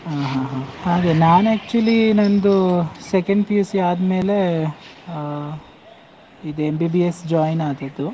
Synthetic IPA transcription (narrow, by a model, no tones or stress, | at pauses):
ɦaːɦãːɦãːhaːɡenaːnæːk̚t͡ʃuɐlinɐnd̪usekɐɳɖpjuːsiaːd̪me̞ːle̞ | id̪embiːbiesd͡ʒaːjnaːd̪ɐd̪ːu